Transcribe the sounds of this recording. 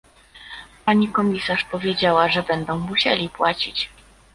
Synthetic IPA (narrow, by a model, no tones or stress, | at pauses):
paɲikɔmʲisaʂpɔvʲjed͡ʑawaʐɛbɛnd̪ɔ̃w̃muɕelʲipwat͡ɕit͡ɕ